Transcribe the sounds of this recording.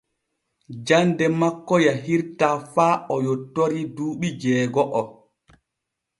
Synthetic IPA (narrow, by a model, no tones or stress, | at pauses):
d͡ʒandɛmakːɔjaɦiɾtafaːʔɔjɔtːoɾiduːɓid͡ʒɛːɡɔʔɔ